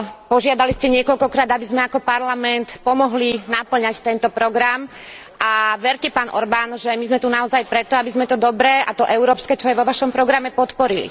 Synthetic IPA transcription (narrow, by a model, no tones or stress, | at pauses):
pɔʒɪad̪aliscɛɲɪɛkɔʎkɔkɾaːd̪abizmɛakɔpaɾlamɛnt̪pɔmɔɦlinapl̩ɲact̪ɛnt̪ɔpɾɔɡɾamʔaʋɛɾcɛpaːnʔɔ̰ɾbanʒɛmizmɛt̪unaɔzajpɾɛt̪ɔabizmɛt̪ɔd̪ɔbɾɛːʔat̪ɔʔɛʊɾɔːpskɛːt͡ʃɔjɛʋɔʋaʃɔmpɾɔɡɾamɛpɔt̪pɔɾilḭ